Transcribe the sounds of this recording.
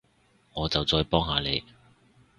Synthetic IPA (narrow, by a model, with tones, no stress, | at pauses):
ŋɔː˨˧t͡sɐ˨wt͡sɔː˧jpɔː˥ŋɦaː˨˧le˨˧j